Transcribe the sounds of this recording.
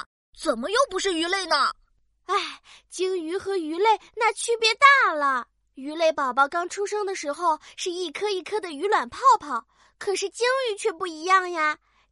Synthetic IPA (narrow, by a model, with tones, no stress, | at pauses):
t͡sə˨˩nmə˦jo˥˧ʊpu˧˥ʂɻ̩˥˩y˧˥le˥˩ɪnə˩ | a˥˩ɪt͡ɕi˥ŋy˧˥xɤ˧˥y˧˥le˥˩ɪna˥˩t͡ɕʰy˥˩pjɛ˧˥t̪a˥˩lə˩ | y˧˥le˥˩ɪpɑ˨˩ʊpɑ˥˩ʊkɑ˥ŋʈ͡ʂʰu˥ʂɤ˥ŋd̪ə˨ʂɻ̩˧˥xo˧ʊʂɻ̩˥˧i˥˩kʰɤ˥i˥˩kʰɤ˥˩d̪ə˨y˧˥lwa˨˩npʰɑ˥˩ʊpʰɑ˨˩˦ʊ | kʰɤ˨˩ʂɻ̩˥˩t͡ɕi˥ŋy˧˥t͡ɕʰɥɛ˥˧pu˥˩i˧˥jɑ˥˩ŋja˩